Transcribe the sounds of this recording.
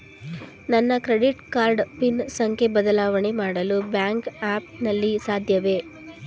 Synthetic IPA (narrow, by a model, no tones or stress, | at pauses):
nɐnːɐkɾeɽiʈkaːɾɖpinsɐŋkʰe̞bɐd̪ɐlaːʋɐɳemaːɽɐlubjaːŋkaːpnɐlːisaːd̪ʱjɐʋe̞